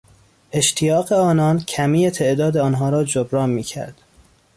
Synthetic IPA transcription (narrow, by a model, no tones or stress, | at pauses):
ʔe̞ʃt̪ʰijɒːɣeɒːnɒːncʰæmiːjet̪ʰe̞ʔd̪ɒːd̪eɒːnɦɒːɾɒːd͡ʒobɾɒːnmiːcʰæ̰ɾd̪̥